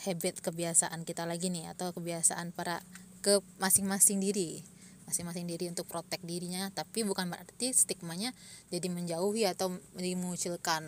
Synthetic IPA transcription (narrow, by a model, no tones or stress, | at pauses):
hɛbɛt̪̚kəbiasaʔankit̪alaɡinɪha̰t̪awkəbiasa̰ʔanpaɾakəmasɪŋmasɪŋdiɾi | masɪŋmasɪŋdiɾiunt̪ʊk̚pɾot̪ɛk̚diɾiɲat̪apibukanbəɾart̪ist̪ik̚maɲad͡ʒadiməɲd͡ʒauɦiat̪awd͡ʒaiməŋut͡ʃilkan